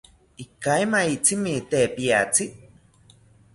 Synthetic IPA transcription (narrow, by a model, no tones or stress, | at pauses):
ikaemaiʔt͡simit̪epiat͡si